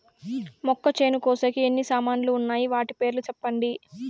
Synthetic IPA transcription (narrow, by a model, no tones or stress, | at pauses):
mɔkːɐt͡ʃe̞ːnukɔːsɐkienːisaːmaːnuluːnːaːjiʋaːʈipe̞ːɾlut͡ʃɛpːɐɳɖi